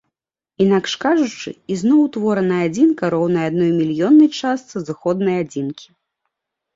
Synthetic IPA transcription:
inakʂkaʐut͡ʂɨ̰iznɔwt̪vɔɾɐnɐjad͡zʲinkɐɾɔwnɐjad̪nɔjmʲilʲjɔnːɐjt͡ʂast̪sɨzɨxɔd̪nɐjad͡zʲinkʲi̥

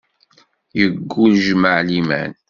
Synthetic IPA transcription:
jəɡːulʒməʕlimæ̰n

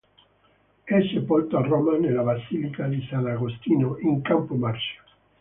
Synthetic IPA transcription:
ɛsepɔlt̪oarɔmanelaβasilikad̪isanaɣost̪iːnoiŋkampomaɾsḁ

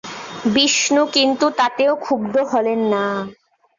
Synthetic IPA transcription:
biʃnukint̪ut̪at̪eokʰubd̪oɦɔlenːa

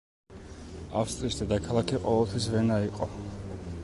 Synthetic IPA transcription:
a̰fst̪ʼɾisd̪ad̪akʰalˠakʰiqʼɔvɛlˠt̪ʰwisvɛnaiqʼɔ̰

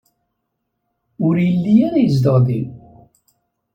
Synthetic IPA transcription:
ʊɾjəlːijaɾajəzd̪əʁði

